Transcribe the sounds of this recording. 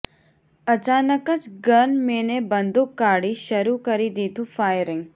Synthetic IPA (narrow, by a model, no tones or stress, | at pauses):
ət͡ʃaːnəkət͡ʃɡənmenebənd̪ʱukːaɽiʃəɾukəɾid̪it̪ʰũfajɾɪ̃ŋɡ